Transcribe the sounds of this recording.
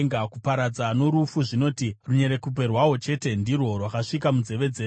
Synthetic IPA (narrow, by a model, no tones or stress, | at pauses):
ŋɡakupaɾad͡zano̞ɾufuʐino̞ːtiruɲe̞ɾe̞kup̬e̞rwawo̞t͡ʃe̞ːte̞ndirwo̞rwakaʂik̬amud͡ze̞ʋe̞d͡zeː